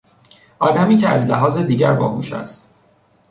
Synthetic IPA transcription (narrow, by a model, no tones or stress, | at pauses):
ʔɒːd̪æmiːcʰeæzlæɦɒːzed̪iːɟæɾbɒ̰ːhuːʃæ̰st̪